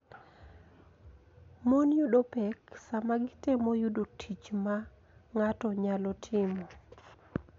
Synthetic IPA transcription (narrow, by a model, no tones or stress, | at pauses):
monjudopɛksamaɡɪtemojudotʰit͡ʃma | ŋatɔɲalɔtʰɪmɔ